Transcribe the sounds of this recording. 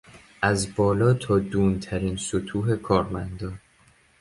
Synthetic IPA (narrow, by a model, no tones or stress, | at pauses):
ʔæzbɒːlɒːt̪ʰɒːd̪uːnt̪ʰæɾiːnsot̪ʰuːɦe̞kʰɒːɾmænd̪ɒːn